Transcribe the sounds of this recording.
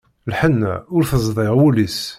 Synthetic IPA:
lħənːæ̰ʊɾθəzˤðˤeʁwulis

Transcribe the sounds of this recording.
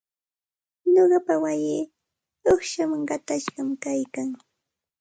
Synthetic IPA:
ɲoɢɑpawajɪː | oχʃamaŋɢɑt̪aʃɢɑmkajkaŋ

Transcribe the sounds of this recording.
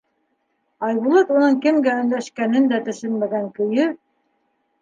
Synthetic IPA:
ɑjβulˠɑt̪unɤŋkɘ̆mɡæɵ̆nlæʃkænɘnd̪æt̪ɵ̆ʃɵnmæɡæŋkɵ̆jɵ

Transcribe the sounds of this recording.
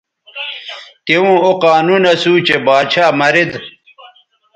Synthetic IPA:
t̪ewũːoqaːnunɐsuːt͡ɕebaːt͡ɕʰaːmɐɾid̪

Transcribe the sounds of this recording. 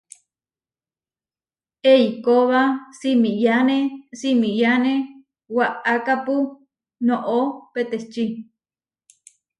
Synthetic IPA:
eikoβasimijanesimijane | waʔakapu | noʔopet̪et͡ʃi

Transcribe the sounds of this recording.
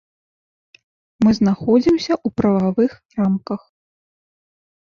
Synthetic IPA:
mɨzn̪axɔd͡zʲimsʲɐʔupɾɐvavɨxramkɐx

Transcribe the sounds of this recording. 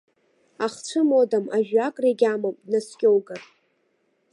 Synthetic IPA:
aχt͡ʃʷʰɨmodamaʒᶣakʼreɡʲamomdnaskʲʼowɡarʼ

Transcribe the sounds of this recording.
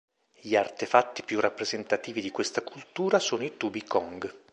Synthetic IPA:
ʎiart̪efat̪ːi̥pjurʔapːɾezent̪at̪iːvid̪ikwest̪akʰult̪uːɾasoːnoit̪ubikʰɔŋɡ

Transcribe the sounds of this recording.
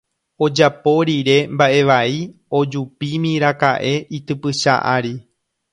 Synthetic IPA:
o̞d͡ʒapo̞ɾiɾe̞mbaʔe̞ʋai | o̞d͡ʒupimĩɾakaʔe̞it̪ɨpɨʃa̰ʔa̰ɾi

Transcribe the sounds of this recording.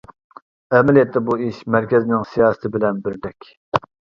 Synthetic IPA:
ɛmɛlijɛt̪ːɛbuiʃmæɾkʲɛznɪŋsijɑːsɨ̥t̪ʰɪbɪlɛnbɪɾd̪ɛkʲ

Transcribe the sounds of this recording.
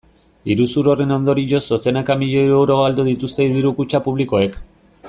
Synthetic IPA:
iɾusuɾo̞re̞no̞nd̪o̞ɾiʎo̞sosenakamiʎeeɾewɾo̞ald̪uðit̪ust̪e̞iðiɾukut͡ʃapuβliko̞e̞k

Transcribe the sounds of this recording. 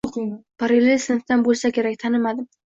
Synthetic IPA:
ʊqʰɪpʰaɾɪlɪsɪnɪfd̪anbolˠsakʲe̞ɾakʲt̪ʰanɪmad̪ɪm

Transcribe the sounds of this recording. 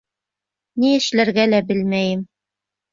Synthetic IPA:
niɘ̆ʃlæɾɡælæbɘlmæjɘm

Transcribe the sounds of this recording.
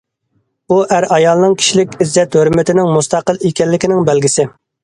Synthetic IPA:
uʔæɾɑjɑlˠnɨŋkʲʰi̥ʃilɪkʲizːɛt̪høɾmɪt̪ɪnɪŋmust̪ɑqəlˠekʲɛlːɪkʲinɪŋbɛlɡʲisɪ

